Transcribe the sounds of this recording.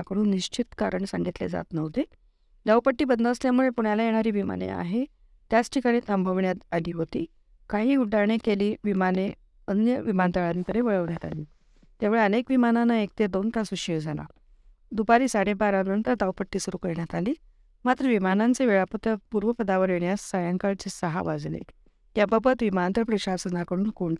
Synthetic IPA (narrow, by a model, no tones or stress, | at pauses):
akəɽ̃uːnːiɕt͡ɕit̪kaɾəɳsaŋɡit̪lḛd͡za̰t̪nəʋt̪e | d̪aʋpəʈːiːbənd̪əəsljamuɭepuɳjalajeɽ̃aɾiːʋima̰nḛa̰ɦe | t̪jat͡sʈʰikaɽ̃ĩːt̪əmbʱəʋɳjat̪aliːɦot̪ḭː | kaɦiːuʈaɳekeliːʋimane | ənjəʋimant̪əɭaɾiːt̪əɾeʋəɭəʋɳjat̪a̰liː | t̪jamʋuɭeənekʋimananaek̚t̪ed̪ont̪asuɕəd͡zʱana̰ | d̪upaɾiːsaɽebaɾamənt̪ət̪awpəʈːiːsuɾuːkəɾɳjat̪aliː | mat̪ɾəʋimanant͡seʋeɭapət̪əpuɾʋəpəd̪aʋəɾeɳjasːajãŋkaɭt͡sesəɦa̰ʋad͡znḛ | jabəbət̪ʋimant̪əpɾəɕasənakəɽuːnkoɳ